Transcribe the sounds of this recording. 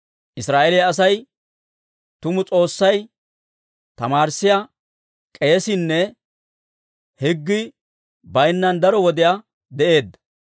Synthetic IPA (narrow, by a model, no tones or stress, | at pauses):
ʔɪsɾaːʔɛlɪjɐs̬ɐj | t̪ʊmʊt͡sʼo̞ːsːɐj | t̪ɐmaːɾsːɪja | kʼeːsɪnːɛ | hɛɡːɪ | bɐjnːɐnd̪ɐɾɔwɔd̪ɪja | d̪ɛʔe̞ːd̪ːɐ